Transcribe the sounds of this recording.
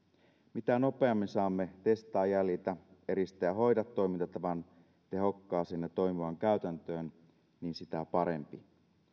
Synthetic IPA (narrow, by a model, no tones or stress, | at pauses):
mit̪æno̞pe̞ɑmːinsɑːmːe̞t̪e̞st̪ɑːjælit̪æe̞ɾist̪æjɑɦo̞jdɑt̪ːo̞jmint̪ɑt̪ːɑʋɑn | t̪e̞ɦo̞kːɑːsinːet̪o̞jmiʋɑŋkæyt̪ænt̪øːn | niːnsit̪æpɑɾe̞̰mpi